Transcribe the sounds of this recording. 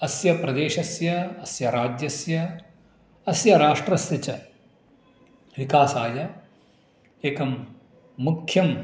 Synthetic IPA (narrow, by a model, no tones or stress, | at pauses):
ɐsjɐpɾɐd̪eːʃɐsjɐɐsjɐɾaːd͡ʒjɐsjɐ | ɐsjɐɾaːʂʈɾɐsjɐt͡ʃɐ | ʋikaːsaːjɐ | eːkɐmː | ukʰjɐm